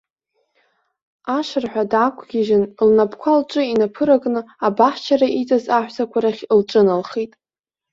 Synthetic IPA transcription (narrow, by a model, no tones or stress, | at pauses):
aʂarħʷᶣadʕakʷʰʼɡʲiʒɪnlnapʰkʷʰalt͡ʃʷʼɨinapʰɨɾakʼnɨabaħt͡ʃʰaɾait͡sʼazaħʷᶣsʰakʷʰaɾaχʲlʈ͡ʂʷʼɨnalχetʼ